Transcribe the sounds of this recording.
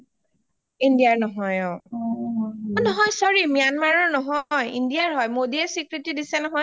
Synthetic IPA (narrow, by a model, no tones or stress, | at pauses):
indijaɹnɔɦɔjɔ | nɔɦɔjsɔɹimijanmaɹɔɹnɔɦɔjḭndiaɹɦɔjmodiɛsikɹitidisɛnɔɦɔj